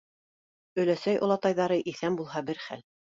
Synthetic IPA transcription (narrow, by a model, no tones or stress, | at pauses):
ɵ̆læsæjʔŏlˠɑt̪ɑjðɑɾɤʔiθæmbulˠɦɑbɘɾχæ̰l